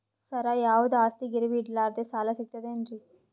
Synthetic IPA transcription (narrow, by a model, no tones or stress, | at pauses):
sɐɾajaːʋud̪aːst̪iɡiɾiʋiʈlaːɾt̪et͡ʃaːlaːsik̚t̪ɐd̪end͡ʒi